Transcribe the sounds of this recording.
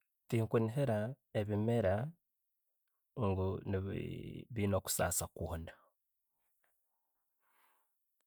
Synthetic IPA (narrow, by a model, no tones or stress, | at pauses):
tiːŋkuniɦeɾa | eβimeɾa | ŋɡuniβiːno̞ːku̥sa̰ːsakwoːna